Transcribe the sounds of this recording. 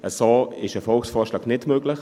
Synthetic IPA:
əsoːɪʃəfɔlksfɔːʃlɑːɡnɪtmøːɡ̥lɪχ

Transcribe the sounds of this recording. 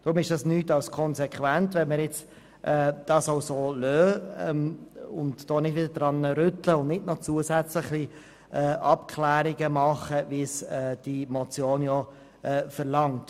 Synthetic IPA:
d̥ɾʊmɪʃd̥ɑsnyːtɑwskʰɔnsɛkχʋæntʋɛnməɾjɛt͡s | ʔɛːd̥ɑːsoʊsoːlœːɛmʊndd̥ɔːnɪdvɪdəd̥ʁɑnəɾʏtləʊndnɪdnɔt͡suəsæt͡sləχi | ʔɛːʔɑpkʰlæːɾiɡəmɑχəvisɛːd̥imɔt͡sjoːnjɔ | ʔɛːfəʁlɑŋt

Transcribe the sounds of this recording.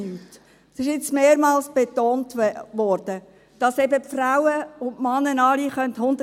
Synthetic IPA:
yːt | sɪʃɪt͡smeːɾmɑːlsb̥etoːntʋɔːɾd̥ə | d̥ɑsɛbəpfrawəʊntmɑnːənɑliχœnthʊndə

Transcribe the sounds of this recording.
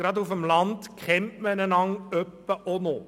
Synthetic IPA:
ɾɑd̪ufəmlɑnd̪̥kʰχɛmtmənənɑŋœpːəʔɔnoː

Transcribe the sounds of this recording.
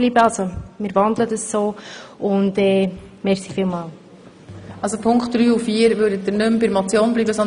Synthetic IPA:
liːbəɑlsomɪːɾʋɑnd̪lədəssoːʊndɛːmɛɾsifiːlmɑːl | ɑlsopʰʊŋkχt̚d̥ɾyːufiːəɾvøːɾdətːəɾnɵmbɪɾmɔt͡sjoːnbliːbəsɔn

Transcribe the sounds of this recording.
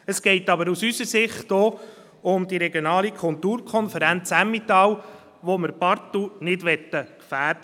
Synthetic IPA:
əsɡ̥ɛɪtɑbəɾusysəɾsɪχtdɔː | ʊmd̥̪iɾɛɡjonɑːlikʰʊltuːɾkʰɔnfəɾɛnt͡sæmːit̪ɑːw | ʋoməɾbɑɾt̪unɪdʋɛt̪ːəkfæːɾd

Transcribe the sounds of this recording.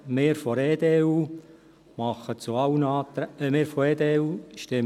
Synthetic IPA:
mɪːɾfɔɾeːd̪eːuː | mɑχət͡suɑwənɑːt̪ɾmɪːɾfɔeːd̪eːuːʃtɪm

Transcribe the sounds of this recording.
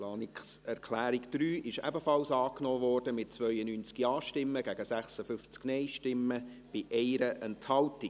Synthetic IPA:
plɑːniksɛɾkʰlæːɾiɡd̥ɾyːʔɪʃɛ̰bəfɑlsɑːknɔːvɔːrd̥əmɪt̚t͡svœʏənyːnt͡skiɑːʃtɪmːəɡ̥æɡəsæχsəfʏft͡sknɛɪʃtɪmːə | b̥ɪʔɛɪɾəʔɛnthɑlti

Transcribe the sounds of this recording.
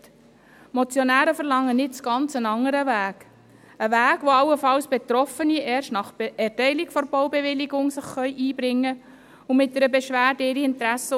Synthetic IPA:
mɔt͡sjɔnæːɾəfəɾlɑŋːənɪtt͡sɡ̥ɑnt͡sənɑŋːəɾəʋæːɡ | əʋæːɡʋoɑlːəfɑlsb̥et̪ɾɔfəniʔɛːrʃtnɑχbɛrtɛɪlikfɔɾbowbɛʋɪliɡʊŋsəχːœʏʔiːbɾɪŋːə | ʊmɪt̚dəɾəbɛʃʋæːɾdɪɾiɪntɾæsːə

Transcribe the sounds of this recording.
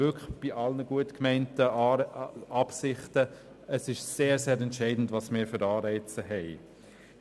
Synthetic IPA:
ʏkəb̥iʔɑlnəɡuətkmɛɪntə | ɑpsɪχtə | əsɪʃseːɾseːɾɛntʃɛɪdn̩dvɑːsmɪːɾfʏɾɑːɾɛɪt͡səɦɛɪ

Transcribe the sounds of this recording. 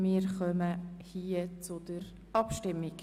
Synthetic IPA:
mɪːɾχœməhiːət͡sʊd̪̥əɾ | ɑpʃtɪmːik

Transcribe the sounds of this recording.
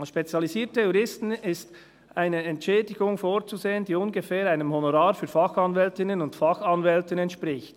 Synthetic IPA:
ʃpet͡sjɑliziːɐtəjuɾɪstn̩ɪst | ʔaɪnəɛntʃɛːdɪɡʊŋfoːɾt͡suzeːəndiːʊnɡəfɛːɾaɪnəmhonoɾaːɾfyːɐfɑxɑnvɛltɪnənʊntfɑxɑnvɛltənɛntʃpɾɪçt

